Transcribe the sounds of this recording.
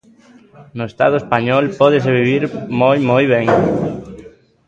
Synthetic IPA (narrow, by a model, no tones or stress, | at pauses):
nʊest̪a̰ðoespaɲɔlpɔðes̬eβiβiɾmojmojβ̞eŋ